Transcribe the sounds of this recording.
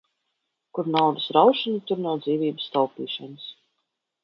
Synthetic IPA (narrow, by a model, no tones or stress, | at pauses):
kuɾnawd̪ɨsɾawʃanut̪uɾnawd̪ziːvʲiːbə̥st̪ɔlˠpiːʃanɨs